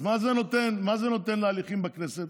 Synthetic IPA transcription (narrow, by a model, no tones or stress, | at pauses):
mazenot̪e̞nmazeno̞t̪e̞nlealiχimbakne̞set̪